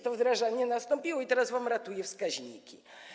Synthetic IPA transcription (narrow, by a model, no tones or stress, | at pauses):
t̪əvd̪ɾaʐanʲɪənɐst̪ompʲiloit̪ɾazvɐmɾɐt̪ujɪfskazʲnʲḭkʲi